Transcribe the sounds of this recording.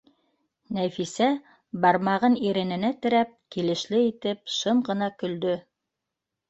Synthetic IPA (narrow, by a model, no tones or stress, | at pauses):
næfisæ | bɑɾmɑʁɤniɾɘ̆nɘ̆næt̪ɘ̆ɾæp̚kilɘ̆ʃlɘit̪ɘp̚ʃɤmʁɤ̆nɑkɵ̆ld̪ɵ